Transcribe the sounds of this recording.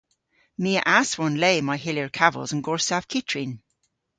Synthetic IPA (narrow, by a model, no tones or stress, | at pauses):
miəʔaswɔnleːmaɪɦɪljəɹkʰavə̰lˠzə̃nɡɔɹsav̥kʰɪtʰɹin